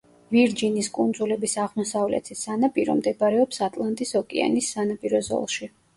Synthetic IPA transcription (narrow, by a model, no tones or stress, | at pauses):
viɾd͡ʒiniskʼund̪zulɛbisaʁmɔsavlɛ̰t̪ʰisanapʼiɾɔ̰md̪ɛbaɾɛɔpsat̪ʼlˠant̪ʼisɔkʼɛ̰a̰nisːanapʼiɾɔzɔ̰lˠʃi